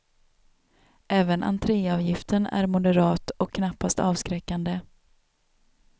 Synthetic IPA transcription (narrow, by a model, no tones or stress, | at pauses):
ʔɛːvənʔa̰nt̪ʰɾeːɑvjɪft̪ənæ̰ɾmʊd̪əɾɑːt̪ɔkʰːnapːast̪ɑːvskɾɛkːand̪ə